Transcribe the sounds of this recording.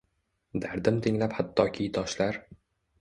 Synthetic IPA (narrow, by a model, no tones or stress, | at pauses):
d̪aɾd̪ɪmt̪ʰɪŋlaphat̪ʰːɒkʲʰijt̪ʰɒʃlaɾ